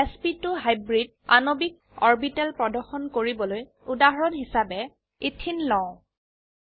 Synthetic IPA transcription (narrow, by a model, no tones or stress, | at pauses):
ɛspituɦajbɹid̚ | a̰nobik̚ | ɔɹbitɛlpɹɔdɔɹxɔnkoɹibɔloj | udaɦɔɹɔnɦisabɛ | itʰinlɔ̃